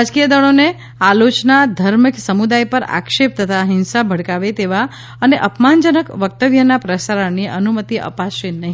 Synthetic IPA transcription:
ad͡ʒkijəd̪əɭ̃one | alot͡ʃnad̪ʱəɾmiksəmud̪ajpəɾa̰kʃep̚t̪ət̪ʰaɦɪnsabʱəɽkaʋet̪eʋa | əneʔəpmand͡ʒənəkʋək̚t̪əʋjənapɾəsaɾəɳniənumət̪iʔə̰paʃinəɦi

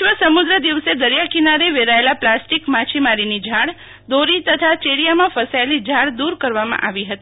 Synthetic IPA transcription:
ʋəsəmud̪ɾəd̪iʋsed̪əɾjakinaɾeʋeɾaelaplasʈikmat͡ʃʰimaɾinid͡ʒʱaɽ | d̪oɾit̪ət̪ʰat͡ʃeɽijamãfəsaelid͡ʒʱaɽd̪uɾkəɾʋamã̰ʔaʋiɦət̪i

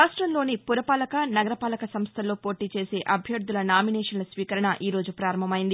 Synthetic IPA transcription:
aːʂʈɾɐmlo̞ːnipuɾɐpaːlɐkɐnɐɡɐɾɐpaːlɐkɐsɐmst̪ʰɐlo̞ːpo̞ːʈiːt͡ʃe̞ːse̞ːʔɐbʱjɐɾd̪ulɐnaːminɛːʂɐnlɐsʋiːkɐɾɐɳɐʔiːɾo̞ːd͡ʒupɾaːɾɐmbʱɐmɐjind̪i

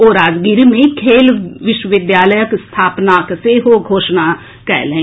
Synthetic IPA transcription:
oːɾaːd͡ʒɡiːɾimẽikʰeːlʋɪʃwəʋɪd̪jaːləjəkst̪ʰaːpnaːkseːɦoːɡʱoːʃnaː | kɛ̰ːlɛ̃ː

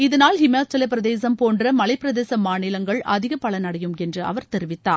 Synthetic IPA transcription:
ɪðɐnaːlhɪmjaːt͡ʃːɐlɐpːɪɾɐðeːsɐmpoːndrɐmɐlɐɪpːɪɾɐðeːsɐmaːnɪlɐŋɡɐɭɐðɪɣɐpːɐɭɐnɐɽɐjɯmɛndrɯɐ̰ʋɐɾt̪ɛɾɪʋɪt̪ːa̰ː

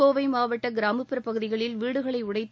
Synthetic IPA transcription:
oːʋɐɪmaːʋɐʈːɐɡɪɾaːmɯpːɯɾɐpːɐɣɯðɪɣɐɭɪlʋiːɽɯɣɐɭɐɪʊɽɐɪt̪ː

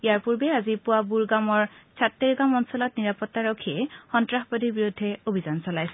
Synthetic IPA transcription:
ijaɹpuɹbɛazipʊwabuɹɡamɔɹsʰatːeɹɡamɔnsɔlɔtniɹapɔtːaɹokʰiɛxɔntɹaxbodiɹbiɹudʱːɛobʱizansɔlajsɛ

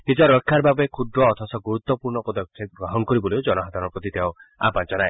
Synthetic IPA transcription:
nid͡ʒɔɾɔkʰːaɾbabɔekʰud̪ɾɔːt̪ʰɔsɔɡuɾut̪wɔpuɾɳɔpɔd̪ɔkʰjeɡɾɔɦɔŋkɔɾibɔliod͡ʒɔnɔɦad̪ʱaɾɔɾpɾɔt̪it̪eõa̰bant͡ʃɔnae

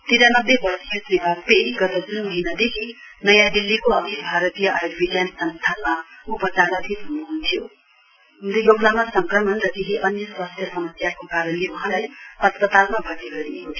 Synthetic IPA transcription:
t̪iɾanʌbːebʌrsijosnibʱaɡ̚peiɡʌt̪ʌd͡zunmʌɦinad̪ekʰinʌjãd̪ilːikoʌt̪ibʱaɾʌt̪ijʌʔajodbʱiɡjansʌnt̪ʰamaupʌt͡saɾʌt̪ʰiɦunuɦunt̪ʰjo | ɦund̪ijoɡnamasʌŋkrʌmʌnɾʌt̪eɦiʔʌnjʌswast̪ʰjʌsʌmʌsjakokaɾʌnlewuɦãlajpʌt̪pʌt̪almabʱʌtiɡʌɾiekot̪ʰ

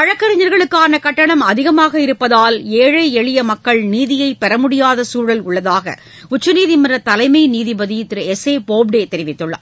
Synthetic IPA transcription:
ɐɻɐkːɐɾɪɲɐɾɣɐɭɯkːaːnɐkɐʈːɐɳɐmɐðɪɣɐmaːɣɐɪɾɯpːɐðaːleːɻɐɪɛɭɪjɐmɐkːɐɭniːðɪjɐɪpːɛɾɐmʊɽɪjaːðɐsuːɻɐlʊɭːɐðaːɣɐ̰ | ʊt͡ʃːɐniːðɪmɐnrɐt̪ɐlɐɪmɐɪniːðɪbɐðɪjt̪ːɪɾɯɛseːpoːbɖeːt̪ɛɾɪʋɪt̪ːɯɭːɐ̰

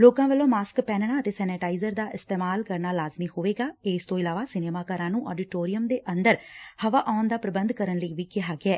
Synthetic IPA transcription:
loːkãːʋəlːõːmaːskpɛːnɳ̃aːət̪eːsɛːneʈaːizəɾd̪aːʔɪst̪eːmaːlkəɾnaːlaːzmiːhoːʋeːɡaːest̪õːɪlaːʋaːsɪneːmaːkaːɾãːnũːʔɔ̰ːɖɪʈoːɾɪjəmd̪eːʔənd̪əɾhəʋaːʔaːnd̪aːpɾəbənd̪kəɾənləiʋiːkɪɦaːɡeɛː

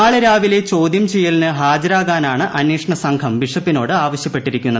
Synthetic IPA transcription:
aːɭɐɾaːʋile̞t͡ɕo̞ːd̪jɐmt͡ɕejːɐlnɨɦaːd͡ʑɐɾaːɣaːnaːɳɨʔɐnjeːʂɐɳɐsɐŋkʰɐmʋiʂɐpːino̞ːɽɨaːʋɐɕjɐpːe̞ʈːiɾikʲːunːɐð

